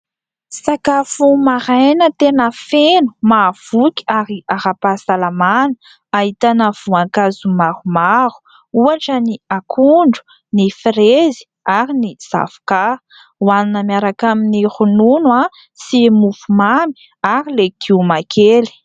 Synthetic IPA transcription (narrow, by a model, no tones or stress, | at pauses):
sakafumaɾajnət̪enəfenu̥mav̥ukʲiaɾiaɾapasalamanə̥ | aɦit̪anəv̥uaŋkazumarumaɾu̥ | uaʈ͡ʂəniakʰuɳɖ͡ʐu̥ | nifɾezi̥ | aɾiniz̥a̰vu̥ka | waninəmiaɾakaminiχununwa | simufumami̥ | aɾilekʰiumakʰeli̥